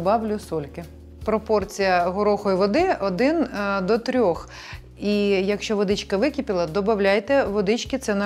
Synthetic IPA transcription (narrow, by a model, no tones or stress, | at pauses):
bɑwlʲʊsɔlʲkɪ | pɾɔpɔrt͡sʲijɐɦɔɾɔxɔjiʋɔd̪ɪɔd̪ɪnd̪ɔt̪ɾʲɔx | ijɐkʃt͡ʃɔʋɔd̪ɪt͡ʃkɐʋɪkʲipʲɪlˠɐd̪ɔbɐwlʲajt̪ɛʋɔd̪ɪt͡ʃkɪt̪sɛnɐ